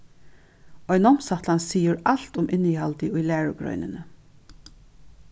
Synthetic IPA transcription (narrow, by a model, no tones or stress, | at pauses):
ɔjnɔm̥sat̪lansiːʊɾal̥t̪ʊmʔɪnihalt̪ɪʊjlæːɹʊ̰ɡɾœ̰ʏnɪ̰nə